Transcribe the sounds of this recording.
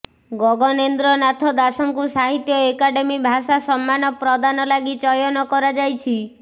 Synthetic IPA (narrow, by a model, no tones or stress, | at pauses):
ɡɔɡɔnend̪ɾɔnat̪ʰɔd̪asɔŋkusaɦit̪jɔekaɖemibʱasasɔmːanɔpɾɔd̪anɔlaɡit͡ʃɔjɔnɔkɔɾad͡ʒajt͡ʃʰi